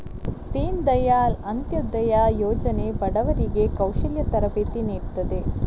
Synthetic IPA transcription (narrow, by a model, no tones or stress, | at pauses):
t̪iːnd̪ɐjaːlɐnt̪jɐd̪ɐjaːjoːd͡ʒɐnebɐɽɐʋɐɾiɡe̞kɐwʃɐljɐt̪ɐɾɐpeːt̪iniːɾt̪ːɐd̪e